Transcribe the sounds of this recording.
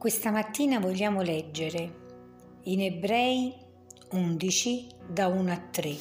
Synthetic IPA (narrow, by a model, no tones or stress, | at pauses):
kwest̪amat̪ːiːnavoʎːaːmʊlɛd͡ʒːeɾe | inebɾɛːj | und̪it͡ʃid̪aunat̪ːɾe